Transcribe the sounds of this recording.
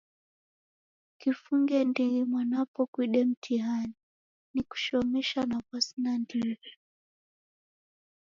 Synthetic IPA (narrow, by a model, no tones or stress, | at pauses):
kifuŋɡɛndiɾimwanapɔkwiɗɛm̩tʰiɦani | niku̥ʃɔmɛʃanakwasinandilɛ